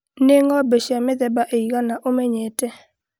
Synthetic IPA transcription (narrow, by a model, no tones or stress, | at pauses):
neŋɔbeʃamɪd̪ɛbaʔeiɡanaʔomeɲetɛ